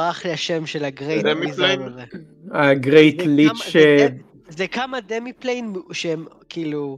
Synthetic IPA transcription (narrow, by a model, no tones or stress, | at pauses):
aχleaʃemʃelaɡʁejdemile | aɡʁejt̪lit͡ʃːe | zɛkamademiplejnʃeem | kiːlu